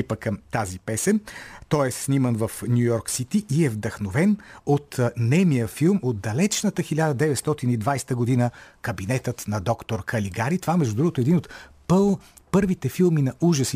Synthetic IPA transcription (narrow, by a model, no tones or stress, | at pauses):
ipəkəmt̪azipɛsɛmt̪ɔɛsnʲimənvəfnjujɔɾksit̪iʔiɛvd̪ɐxnovɛnot̪nɛmijəfilˠmod̪̚d̪ɐlɛt͡ʃnət̪əxilʲad̪əd̪ɛvɛt̪st̪ɔt̪inid̪vajst̪əɡod̪inəkɐbinɛt̪ət̪nɐd̪ɔkt̪oɾkʰɐliɡaɾit̪ovamɛʒd̪ʊd̪ɾuɡot̪oɛd̪inot̪p | pɤɾvit̪ɛfilˠminɐʔuʒəsi